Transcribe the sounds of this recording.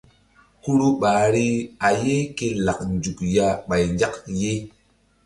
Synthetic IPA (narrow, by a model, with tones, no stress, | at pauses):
ku˦ɾu˦ɓaː˨˦ɾi˦a˨je˦ke˧la˨k̚n˨d͡ʒu˨kja˧ɓa˨jnd͡ʒa˦kje˦